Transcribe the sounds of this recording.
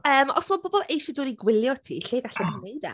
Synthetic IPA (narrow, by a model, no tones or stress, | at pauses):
əːmɔ̰smabɔbɔlˠejʃɛduːniɡwɪlˠjɔtʰiːɬeːɡaɬɛbinejda̰